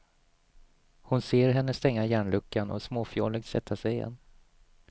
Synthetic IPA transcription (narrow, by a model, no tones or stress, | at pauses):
hʊnseːɾɦɛnːəst̪ɛŋːajæːɳlɵkʰːanɔ̰smoːfɪɔːlək̚t̪sɛ̰t̪ʰːasɛjɪjɛ̰nː